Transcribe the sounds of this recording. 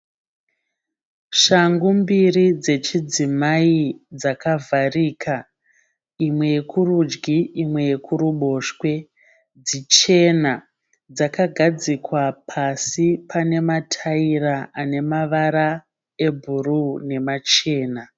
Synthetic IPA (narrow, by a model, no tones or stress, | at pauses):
ʃaŋɡumbirid͡ze̞t͡ʃid͡zimaid͡zakavʱariːkʰa | imwe̞jekurud͡ʒɡiimwe̞je̞kʰuɾuɓo̞ːʃkwe̞ | d͡zit͡ʃe̞na | d͡zakaɡʱad͡zikwapʰasipʰane̞matʰairaane̞maʋaɾa | e̞bʱurune̞mat͡ʃe̞ːna